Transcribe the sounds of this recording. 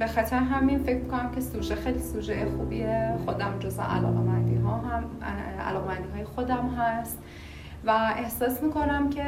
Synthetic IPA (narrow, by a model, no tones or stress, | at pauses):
be̞xæt̪ʰɾeɦæminfecʰmikʰo̞næmcʰe̞suːd͡ʒexejliːsud͡ʒejexuːbijexo̞d̪æmd͡ʒozvḛʔæ̰lɒ̰ːɣemænd̪iɦɒːɦæmæ̰lɒːɣemænd̪iːɒːjexo̞d̪æmɦæst̪ | væʔe̞hsɒːsmiːkʰo̞næmcʰe̞